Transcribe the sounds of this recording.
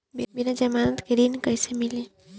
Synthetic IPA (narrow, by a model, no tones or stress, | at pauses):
binad͡ʒɐmaːnət̪keɾinkəjsemɪle